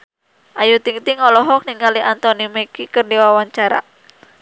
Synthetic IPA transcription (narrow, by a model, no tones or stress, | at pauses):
ʔajut̪iŋt̪iŋɔlɔɦɔk̚niŋkaliʔant̪ɔnimɛkikərdiwawaɲt͡ʃaɾa̰